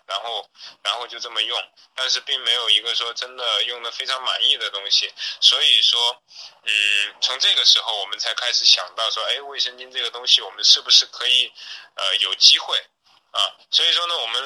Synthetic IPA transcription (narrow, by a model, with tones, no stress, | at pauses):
ɻa˧˥nxo˥˧ʊɻa˧˥nxo˥˧ʊt͡ɕjo˥˧ʊʈ͡ʂɤ˥˩mə˩jʊ˥˩ŋ | t̪a˥˧nʂɻ̩˥˧pi˥˩ŋme˧˥ɪjo˨˩ʊi˧˥ɡə˧ʂwɔ˥ʈ͡ʂə˥nd̪ə˨jʊ˥˩ŋd̪ə˩fe˥ɪʈ͡ʂʰɑ˧˥ŋma˨˩ni˥˩d̪ə˩t̪ʊ˥ŋɕi˨˩swɔ˧˥i˨˩ʂwɔ˥ | n̩˥˩t͡sʰʊ˧˥ŋʈ͡ʂɤ˥˩ɡə˩ʂɻ̩˧˥xo˧˩ʊwɔ˨˩mə˦nt͡sʰa˧˥ɪkʰa˥ɪʂɻ̩˨˩˥ɕjɑ̰˨˩ŋt̪ɑ˥˩ʊʂwɔ˥e˥ɪwe˥˩ɪʂə˥ŋt͡ɕi˥nʈ͡ʂɤ˥˩ɡə˩t̪ʊ˥ŋɕi˨wɔ˨˩mə˦nʂɻ̩˥˩bu˩ʂɻ̩˥˩kʰɤ˧˥i˧˩˦ə˧jo˨˩ʊt͡ɕi˥xwe˥˩ɪ | ɐ˥˧swɔ˧˥i˨˩ʂwɔ˥nə˨wɔ˨˩mə˦n